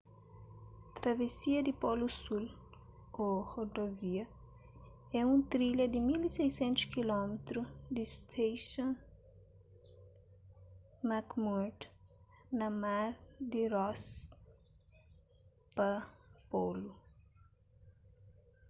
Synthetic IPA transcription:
t̪ɾɐvesiɐd̪ɪpolusul | ohod̪oviɐ | ɛũt̪ɾiʎɐd̪ɪmilisejsẽnt̪ʊ̥skilɔmet̪ɾud̪ist̪ʰejʃõn | makmuɾt̪nɐmaɾd̪iɾɔs | pɐpolu

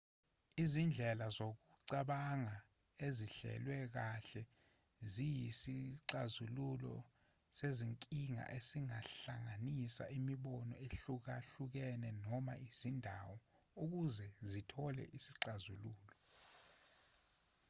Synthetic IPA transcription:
izind͡ɮʱɛlazok̬uǀaɓaŋa | eziɬɛ̰lwɛk̬aɬɛ | zijisiǀazululɔ̰ | seziŋkʼiŋa̰ʔesiŋaɬaŋanisa̰ʔimiɓɔnɔeɬuk̬aɬuk̬ɛnɛnɔma̰iz̥indʱawɔ | uk̬uzɛzitʰɔlɛ̰ʔisiǀazuluːlɔ

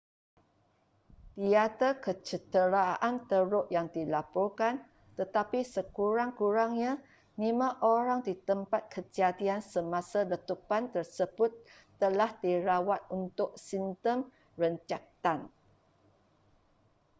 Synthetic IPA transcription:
t̪iat̪əkət͡ʃət̪əɾaant̪əɾʊʔjaŋdilapɔrkan | t̪ət̪apisəkuɾaŋkuɾaŋɲã | nimãʔoɾaŋdit̪əmpat̪̚kʰət͡ʃiat̪iansəmãsalət̪upant̪ərsəbʊt̪ː | əlahdiɾawat̪̚unt̪ʊʔ̚sint̪əm | rəɲt͡ʃak̚t̪an

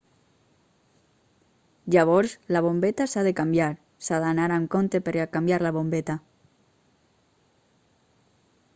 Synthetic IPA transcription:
d͡ʒaβoɾslaβ̞ombet̪asaðekambjaɾ | saðanaɾaŋkont̪epeɾakambjaɾlaβ̞ombet̪a

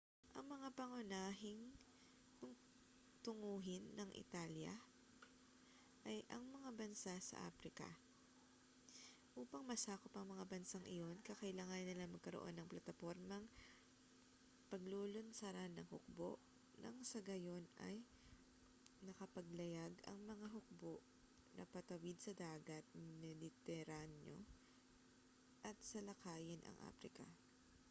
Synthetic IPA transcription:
ʔɐ̰ŋmɐŋapɐŋʊnaːɦɪŋ | kʊŋ | t̪ʊŋuːɦɪnːɐŋʔɪ̰t̪aːljɐ̰ | ʔɐjʔɐŋmɐŋabɐnsasɐ̰ʔa̰ːfɾɪkɐ̰ | ʔuːpɐŋmɐsaːkopɐŋmɐŋabɐnsaŋʔɪ̰jo̞nkɐkɐʔɪlaːŋɐnnːɪlaŋmɐɡ̚kɐɾoʔo̞̰nːɐŋplɐt̪ɐfo̞ɾmɐŋ | pɐɡloːlonsɐɾanːɐŋhʊk̚bo̰ʔ | nʔɐ̰ŋsɐɡɐjo̞nʔɐ̰j | nɐkɐpɐɡ̚lɐjaɡɐ̰ŋmɐŋaɦʊk̚boʔ | nʔɐ̰pɐt̪ɐwid̪̚sɐd̪aːɡɐt̪̚nnɛlɪt̪ɛɾanjo̞̰ | ʔɐt̪̚sɐlɐkaːjɪnʔɐ̰ŋʔa̰ːfɾɪkɐ̰

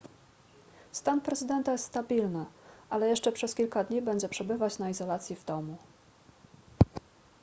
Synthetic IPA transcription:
st̪anpɾɛzɘd̪ɛnt̪ajɛst̪st̪abʲilnɘʔalɛjɛʂt͡ʂɛpʂɛskʲilkad̪ɲibɛɲd͡ʑd͡z̪ɛpʂɛbɘvat͡ɕnaizɔlat̪sʲjivd̪ɔmu

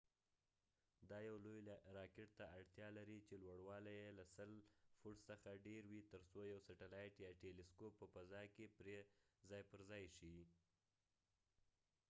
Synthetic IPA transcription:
d̪ɑjawlojɾɑkɪʈ̚t̪aːɽt̪jɑlaɾit͡ʃelwaɽwɑlajelasəlfuʈsəxaɖeɾwit̪əɾsojawsaʈalɑjʈiaʈelɪskopːəpazɑkepɾezɑjpəɾzɑjʃi

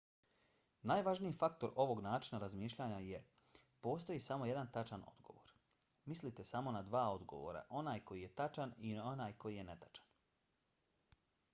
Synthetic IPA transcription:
naːjʋaʒniifakt̪o̞ɾo̞ʋo̞ɡnaːt͡ʃinaɾazmiːʃʎaɲaje | po̞ːst̪o̞jisamoje̞d̪ant̪at͡ʃano̞̰d̪ɡo̞̰ʋo̞ɾ | mislit̪e̞samo̞nad̪ʋaːo̞d̪ɡo̞̰ʋo̰ɾa̰ʔo̞naːjko̞jijet̪at͡ʃanionaːjko̞jije̞ne̞t̪ḁt͡ʃḁn

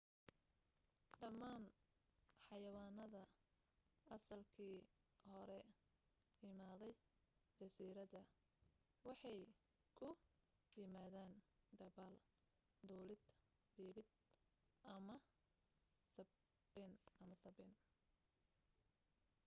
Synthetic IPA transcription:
ɖɐmaːn | ħɑjɐwaːnɐðɐ | ʔɐsɐlkʰiːhɔɾɛ | jɪmaːðɛj | dd͡ʒ̪ɐsiːɾɐðɐ | wɑħɑj | kʰʊ | jɪmaːðaːnd̪ɐβaːl | d̪uːlɪd̪ | biːbɪd̪̚ | ʔɐmɐ | sɐ | bɛnʔɐmɐsɐbɛn

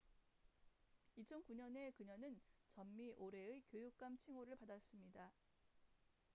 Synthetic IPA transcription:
it͡ɕʰʌnkuɲʌne̞kɯɲʌnɯnt͡ɕʌmːiʔoɾe̞ɯkjojuk̚k͈amt͡ɕʰiŋoɾɯɭpadas͈ɯmɲida

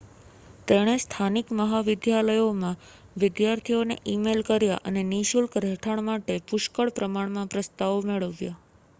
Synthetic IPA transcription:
t̪eɽ̃est̪ʰanikməɦaʋɪd̪jaləjomã | ʋɪd̪jaɾt̪ʰionḛʔimelkəɾja̰ʔəneniʃulkɾɛʈʰəɳ̃maʈepʊʃkəɭpɾəmaɳmãpɾəst̪aʋmeɭəʋja

